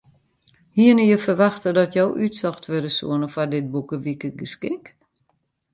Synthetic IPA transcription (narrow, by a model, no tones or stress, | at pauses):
hiənəjəfərʋaxtədɔtjowʔytsɔxtʰʋødəsṵənəfadɪt̚bukəʋikəɡəskɪk